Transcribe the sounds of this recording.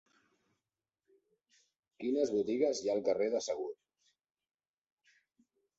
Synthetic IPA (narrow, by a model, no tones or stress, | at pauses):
kinəzβut̪iɣ̞əzjaəlˠkəreðəsəɣ̞ut̪